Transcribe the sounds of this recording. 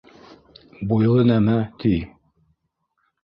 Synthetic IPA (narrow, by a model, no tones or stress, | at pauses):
bujlˠɤnæmæt̪ʰi